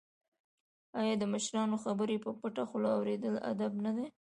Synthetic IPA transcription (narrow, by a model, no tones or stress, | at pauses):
ɑjɑd̪əməʃɾɑnoxabəɾepəpəʈaxʊlɑwɾed̪əla̰d̪abnad̪e